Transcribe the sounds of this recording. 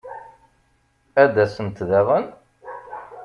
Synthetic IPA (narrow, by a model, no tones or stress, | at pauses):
æd̪æsənt̪ðæʁən